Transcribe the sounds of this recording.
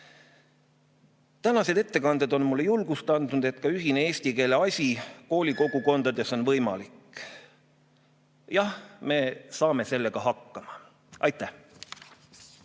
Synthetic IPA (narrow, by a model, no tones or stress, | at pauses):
t̪ænɑse̞d̪̥e̞t̪ːe̞kɑnd̪̥ed̪o̞nmulːejulɡ̥ust̪ɑnd̪̥nud̪e̞t̪ˑkɑyɦinee̞ːsʲt̪ike̞ːle̞ɑsʲiko̞ːlʲiko̞ɡ̥uko̞nd̪̥ɑd̪e̞so̞nvɤjmɑ̰lik | jɑhme̞sɑːme̞se̞lːe̞ɡ̥ɑɦɑkːɑmɑ | ʔɑjt̪ˑːæh